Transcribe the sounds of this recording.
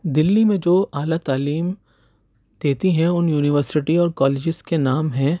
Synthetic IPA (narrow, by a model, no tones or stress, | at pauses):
d̪ɪlːimẽd͡ʒoːaːlat̪aːliːm | d̪̥eːt̪iɦɛ̃ʊnjuːnɪʋəɾsɪʈiɔːɾkɔːleːd͡ʒɪskenaːmɦɛ̃